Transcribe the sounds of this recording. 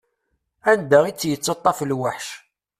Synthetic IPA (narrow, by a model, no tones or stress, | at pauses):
ænd̪æʁit͡sːjət͡sːɑt̪ˤːɑflwaħʃ